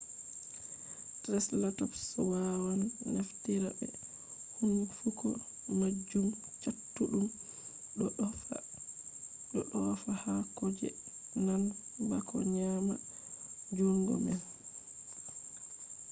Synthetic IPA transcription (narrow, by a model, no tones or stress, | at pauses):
tɾɛslatɔpsɔwawanːaftiɾabɛ | hunfukɔ | mad͡ʒːum | t͡ʃatːuɗum | ɗɔɗɔfahakɔd͡ʒɛ̰ | nanbakɔ̰ɲama̰ | d͡ʒoŋɡɔ̰mɛl